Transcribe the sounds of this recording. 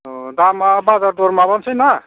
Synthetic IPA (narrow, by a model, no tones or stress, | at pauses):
d̪amabad͡zard̪oɾmabʌnt͡sʰʌjnʌ